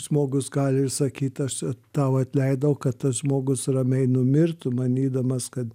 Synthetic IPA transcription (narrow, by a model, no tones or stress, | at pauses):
ʒmoːɡʊsɡɑːlʲɪɪrsɐkʲiːt̪ʲɐʃt̪ɑːʊɐt̪ʲlʲɛɪd̪ɐwʊkɐtt̪ɐsʒmoːɡʊsrɐmʲɛɪnʊmʲɪrt̪ʊmɐnʲiːd̪ɐmɐskɐt̪